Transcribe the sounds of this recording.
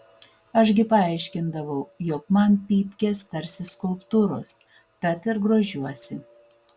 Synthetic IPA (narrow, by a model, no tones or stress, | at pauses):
ɐʃɡʲɪpɐɑˑɪʃʲkʲɪnd̪ɐʋɐʊjɔkmɐnpʲiːpʲkʲeːst̪ɐɾʲsʲɪskʊlˠpt̪uːɾoːs | t̪ɐt̪ɪɾɡɾoːʒʲuɔsʲɪ